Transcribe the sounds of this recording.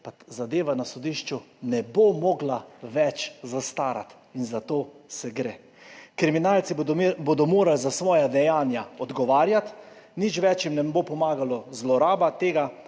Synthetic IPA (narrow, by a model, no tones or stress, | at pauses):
pazad̪eːʋanasɔd̪iːʃt͡ʃunɛbomɔɡlaʋɛt͡ʃzast̪aːɾa̰t̪ | inzat̪oːsɛɡɾeː | kɾiminaːlt̪sibod̪ɔmoːɾalzasʋɔːjad̪ɛjaːnjaɔd̪ɡɔʋaːɾjat̪ | nit͡ʃʋɛt͡ʃjimnɛbopɔmaːɡalɔzlɔɾaːbat̪eːɡa